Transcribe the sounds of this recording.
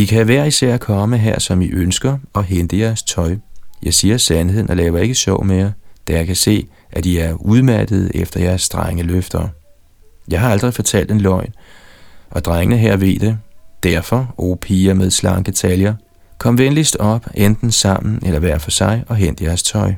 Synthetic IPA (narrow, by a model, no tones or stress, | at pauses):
ikʰæʋæɐ̰isæɐ̰kʰɒ̽məɦæɐ̰sɒ̽miʔønsɡ̥ɐɒ̽ɦend̥əjæɐst͡sʰɒ̽ɪjʔɑ̈ɪsiːɐsænhe̝ð̰ˠnʔɒ̽lɛːʊɐe̝ɡ̥əɕɒ̰ʊmejd̥æjɑ̈ɪkʰæse̝̰ː | ʔæd̥iæɐuðˠmæɐd̥əð̞̩ˠefd̥ɐjæɐsd̥ʁaŋəløfd̥ɐː | jɑ̈ɪɦɑ̈ɑld̥ʁifɒ̽t͡sʰæl̰d̥enlɒ̽ɪ̰n | ʔɒ̽d̥ʁaŋənəɦæɐ̰ʋe̝̰d̥ed̥æɐfɒ̽opʰiːɐmeð̞ˠslɑ̈ŋd̥e̝t͡sʰæljɐ | kʰɒ̽mʋenlisd̥ɒ̽b̥end̥n̩sɑ̈m̰n̩ʔelɐʋæɐ̰fɒ̽sɑ̈ɪɒ̽ɦen̰d̥əjæɐst͡sʰɒ̽ɪ